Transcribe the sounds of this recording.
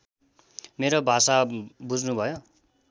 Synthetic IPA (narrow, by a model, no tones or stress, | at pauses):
meɾobʱasabud͡znubʱʌjo